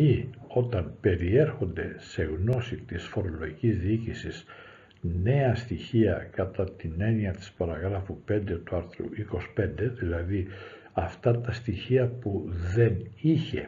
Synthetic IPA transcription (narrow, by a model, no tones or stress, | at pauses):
io̞t̪ɐnpe̞ɾie̞ɾxo̞nd̪e̞se̞ɣno̞sit̪isfo̞ɾo̞loʝicizðiicisis | ne̞ɐst̪içiɐkɐt̪ɐt̪ine̞niɐt̪i̥spɐɾɐɣɾɐfupe̞nd̪e̞t̪uɐɾθɾṵiko̞spe̞nd̪e̞ðilɐði | ɐft̪ɐt̪ɐst̪içiɐpuðe̞niçe̞̰